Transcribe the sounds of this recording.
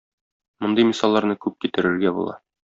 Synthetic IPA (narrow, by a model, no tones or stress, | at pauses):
mŏnd̪ɤjmisɑlˠːɑɾnɤkʉp̚kit̪ɘ̆ɾɘ̆ɾɡæbṵlˠɑ̰